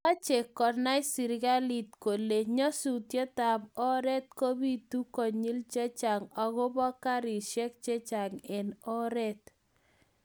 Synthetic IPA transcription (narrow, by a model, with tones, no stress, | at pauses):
a˦t͡ʃe˨kɔ˨na˦ɪ˦si˨ɾɡa˦li˨tko˨le˨ɲɔ˦su˨tje˦ta˨bɔ˦ɾɛ˦t̚ko˦bi˦tu˦kɔ˨ɲi˦lt͡ʃɛ˦t͡ʃa˨ŋɔ˨ɣʊ˦bɔ˦ka˦ɾi˨ʃɛ˦k̚t͡ʃɛ˦t͡ʃa˨ŋɛ˨nɔ˦ɾɛ˦t